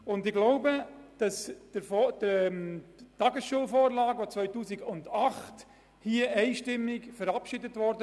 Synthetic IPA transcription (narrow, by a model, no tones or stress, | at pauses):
ʊndɪɡloʊbəd̥ɑsd̥əfɔd̥əmtɑɡəsʃuəlfoːɾlɑːɡʋot͡sʋœʏtuːsiɡʊndɑχt | hiəʔɛɪʃtɪmːɪkfəɾɑpʃɪdətvɔɾdə